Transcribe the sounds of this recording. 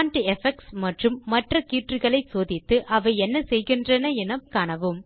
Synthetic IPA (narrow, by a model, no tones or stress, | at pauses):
nʈiɛfɛk̚smɐʈrɯmːɐʈrɐkiːʈrɯɣɐɭɐɪsoːðɪt̪ːɯʔɐʋɐɪɛnːɐsɛjɣɪndrɐnɐɛnɐmkaːɳɐʋɯm